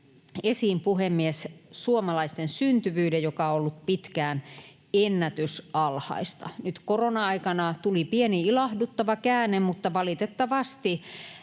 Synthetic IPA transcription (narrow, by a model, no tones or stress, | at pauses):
esiːmpuhemːiessuomɑlɑist̪ensynt̪yʋyːdejjokɑolːut̪pit̪kæːn | enːæt̪ysɑlhɑ̰ist̪ɑ̰nyt̪koronɑɑikɑnɑt̪ulipieniilɑhdut̪ːɑʋɑkæːnːemmut̪ːɑʋɑlit̪et̪ːɑʋɑst̪i